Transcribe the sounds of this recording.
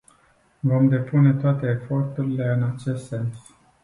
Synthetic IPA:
vo̞md̪e̞pune̞t̪oat̪e̞ːfo̞rt̪uɾile̞ɨnat͡ʃe̞st̪se̞ns

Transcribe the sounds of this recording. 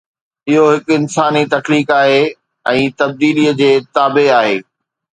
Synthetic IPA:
ɪɦoɦɪkɪnsaːnit̪ɐkliːkaːɦe | ɛ̃ːt̪ɐb̚d̪iːliːəd͡ʑeːt̪aːbeaːɦḛː

